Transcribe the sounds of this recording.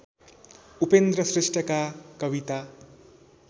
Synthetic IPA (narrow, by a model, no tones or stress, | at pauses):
upend̪rʌsresʈʰʌkakʌbit̪a